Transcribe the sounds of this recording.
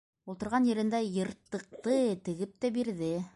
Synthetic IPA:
ulˠt̪ɤ̆ɾʁɑnjɘ̆ɾɘ̆nd̪æjɤ̆ɾt̪ːɤ̆q̚t̪ɤt̪ɘ̆ɡɘp̚t̪æbiɾðɘ

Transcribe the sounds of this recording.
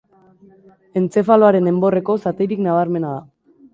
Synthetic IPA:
e̞nt͡se̞falo̞aɾe̞ne̞mbo̞re̞ko̞sat̪eɾiknaβ̞aɾme̞naða

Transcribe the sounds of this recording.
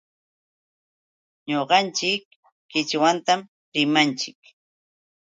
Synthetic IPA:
ɲoɢɑnt͡ʃɪkː | ɪt͡ʃwant̪am | ɾɪmant͡ʃɪk

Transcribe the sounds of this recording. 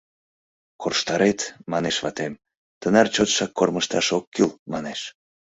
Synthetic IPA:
korʃt̪ɑɾet̪mɑneʃβɑt̪em | t̪ənɑrt͡ɕot̪ʃɑkːorməʃt̪ɑʃokːylmɑneʃ

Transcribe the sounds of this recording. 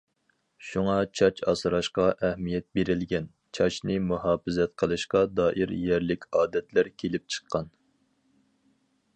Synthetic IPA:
ʃuŋɑt͡ʃʰɑt͡ʃʰɑ̰sɾɑʃqɑʔæhmijɛt̪̚beɾɪlɡʲɛn | t͡ʃʰɑt͡ʃnɨmuɦɑːfɨzɛt̪qʰəlˠɨʃqɑd̪ɑːʔiɾjɛɾlɪkʲʰɑːd̪ɛt̪ʰlæɾkʲʰelɪp̚t͡ʃʰə̥qʰːɑn

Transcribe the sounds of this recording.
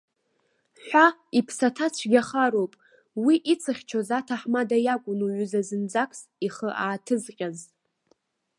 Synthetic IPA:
ħʷaipʰsatʰat͡ɕʷʰɡʲaχaɾowpʼ | wiʔit͡sʰɨχʲt͡ʃʰozatʰaħmadajakʷʼʊnuɥʊzazɨnd͡zakʷʰʼs | iχəʔaːtʰɨzqʲʼaz

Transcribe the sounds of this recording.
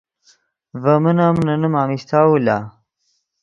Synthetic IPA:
vɐmənamnɐnəmaːmist̪ʰawula

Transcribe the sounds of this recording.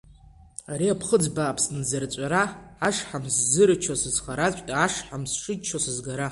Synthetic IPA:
aɾiapʰχəd͡zbaːpʰsnɨzart͡ɕʷʼaɾaaʂħamszɨɾɨt͡ʃʰosɨzχaɾat͡ɕʷʼtʼaʂħamsʂɨdt͡ʃʰosɨzɡaɾa

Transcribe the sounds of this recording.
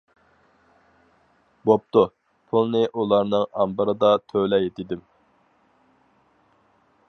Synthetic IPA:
bop̚t̪u | pʰulˠnɨʔulˠɑɾnɨŋɑmbəɾɨd̪ɑt̪ʰølɛjet̪ɪd̪ɪm

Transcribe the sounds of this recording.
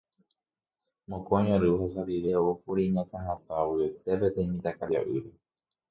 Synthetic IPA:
mõkoaɲõɾɨhasad̪iʋeoupuɾiɲãt̪ãɦãt̪awiet̪epet̪eĩmĩt̪akad͡ʒa̰ʔɨɾe

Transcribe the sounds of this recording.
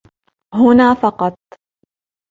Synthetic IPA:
ɦʊnaːfɑqɑt̪̚ˤ

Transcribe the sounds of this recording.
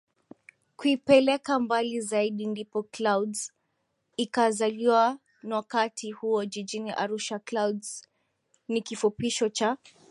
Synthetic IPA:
kuipɛlɛkambalizaiɗindipɔklawdz | ikazaliwa | nawakatʰihuɔd͡ʒiʄiniʔa̰ɾuʃaklawdz̥ | nikifupiʃɔt͡ʃa

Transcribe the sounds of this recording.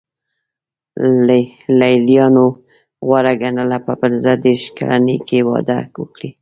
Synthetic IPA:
lajljɑno | ɣwaɾaɡanəlapəpəlzad̪eɾʃka̰la̰nəjkewɑ̰d̪a̰kwəkɽi

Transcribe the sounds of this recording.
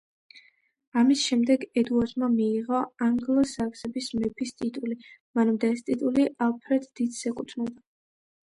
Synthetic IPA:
amisʃɛmd̪ɛɡɛd̪uaɾt̪mamiːʁɔaŋɡlˠɔsaksɛbismɛpʰist̪ʼit̪ʼulimanamd̪aɛst̪ʼit̪ʼuliʔalˠpʰɾɛd̪d̪id̪sɛkʼut̪ʰnɛlˠd̪a

